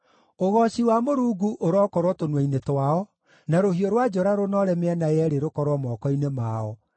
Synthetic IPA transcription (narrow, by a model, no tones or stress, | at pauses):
oɣɔɕiwamoɾuːɡuʔoɾɔkɔɾwɔtonwainetwaɔ | naɾohiɔɾwad͡ʒɔɾaɾonɔɾɛmeɛnajɛɾeɾokɔɾwɔmɔkɔinemaɔ